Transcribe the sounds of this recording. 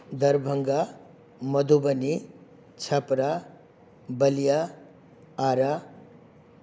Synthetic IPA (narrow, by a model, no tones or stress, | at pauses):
d̪ɐɾbʱəŋɡa | mʌd̪ubəni | t͡sʰɐpɾa | bəlija | aɾa